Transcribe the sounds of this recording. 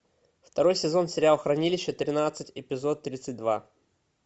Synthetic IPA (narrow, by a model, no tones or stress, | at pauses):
ft̪ɐɾo̞jsʲɪzo̞nsʲɪɾʲɪalˠxɾɐnʲilʲɪɕːət̪ɾʲɪnat̪sɨtʲɪpʲɪzo̞t̪ːɾʲit̪sɨtʲd̪va